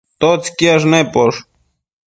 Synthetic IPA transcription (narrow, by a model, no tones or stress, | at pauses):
t̪ot͡skiaʂ̬nepoʂ